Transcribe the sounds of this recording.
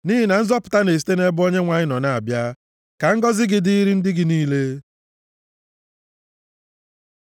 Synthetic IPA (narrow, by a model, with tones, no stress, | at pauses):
ni˦ɦɪ˦na˨n̩˦zɔ˦pʊ̥˨ta˦ne˨s̬i̥˦te˦ne˦bʊ˦o˦ɲe˦ŋʷa˨ɲɪ˦nɔ˨na˦˨a˨bja˦ | ka˨ŋ̩˦ɡɔ˦zɪ˦ɡɪ˨di˦i˦ɾi˦n̩˦dɪ˦ɡɪ˨niː˦le˦